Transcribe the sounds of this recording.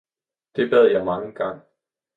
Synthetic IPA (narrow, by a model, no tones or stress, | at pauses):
d̥e̝b̥ɛð̰ˠjɑ̈ɪmɑ̈ŋəɡ̥ɑ̈ŋ̰